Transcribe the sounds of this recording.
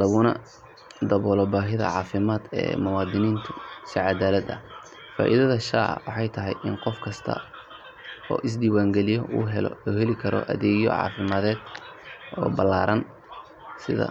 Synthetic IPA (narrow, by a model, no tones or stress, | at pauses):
lɐɣʊnɐ̰ | d̪ɐβɔːlɔbaːɦɪðɐ̰ʕɑːfɪmaːd̪ɛ̰ːmʊwɑːd̪ɪniːnt̪ʰʊsɪʕɑd̪aːlɐd̪ɐ̰ | fa̰ːʔiðɐðɐʃaːʕɐ̰wɑħɑjt̪ʰɐɦɛjʔɪnqɔfkʰɐst̪ʰɐ̰ | ɔ̰ːʔɪs̬d̪iːwaːŋɡɛlɪjɔṵːɦɛlɔ̰ɔːhɛlɪkʰɐɾɔ̰ʔɐ̰ðɛːɣjɔ̰ʕɑ̰ːfɪmaːðɛːd̪ | ɔːbɐlːaːɾɐn | sɪðɐ̰